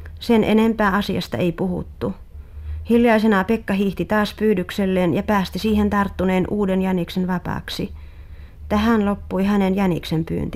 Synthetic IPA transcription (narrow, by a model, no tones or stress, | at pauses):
senʔḛnempæːɑsiɑst̪ɑ̰eipuhṵt̪ːu | hiljɑisenɑpekːɑhiːht̪it̪ɑːspyːdykselːeːnjɑpæːst̪isiːhent̪ɑrt̪ːuneːnʔuːdenjæniksenʋɑpɑ̰ːksi | t̪æhænlopːuihænenjæniksempy̰ːnt̪i